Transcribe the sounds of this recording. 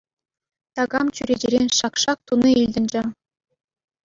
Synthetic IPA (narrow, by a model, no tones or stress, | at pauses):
t̪ɑɡɑmt͡ɕyɾʲed͡ʑɘɾʲenʲʃɑkʂɑk̚t̪uniilʲd̪ʲɘ̆nʲd͡ʑɘ̆